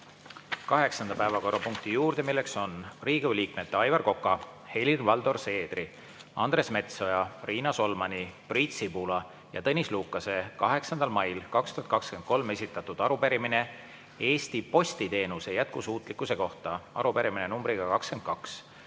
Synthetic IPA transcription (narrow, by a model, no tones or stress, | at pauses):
kɑɦe̞ksɑnd̪ɑpæevɑko̞rːɑpuŋk̚t̪ijuːrd̪̥e̞milːe̞kso̞nriːɡ̥uliːkme̞t̪ːeɑjvɑrko̞kːˑɑ | he̞lirvɑld̪o̞rse̞ːd̪ri | ɑ̰nd̪re̞sme̞t̪so̞jɑriːnɑso̞lmɑnʲipriːt̪sibulɑ | jɑ̰t̪ɤnʲisluːkːˑɑse̞kɑɦe̞ksɑnd̪̥ɑlmɑjlkɑkst̪uhɑt̪kɑkske̞nd̪̚ko̞lme̞sʲit̪ːˑɑt̪ːud̪̥ɑɾupeɾimine̞ | e̞ːst̪ipo̞st̪it̪e̞ːnuse̞jæt̪̚kusuːt̪ˑlikːˑuse̞ko̞ht̪ɑɑ̰ɾupeɾiminenumbɾiɡɑkɑkske̞nd̪̚kɑks